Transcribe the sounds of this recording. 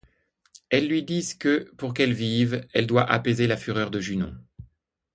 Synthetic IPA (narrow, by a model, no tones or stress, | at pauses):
ɛlːɥid̪izkəpuʁk̬ɛlvivɛld̪waʔapezelafyʁœʁd̪əʒynɔ̰̃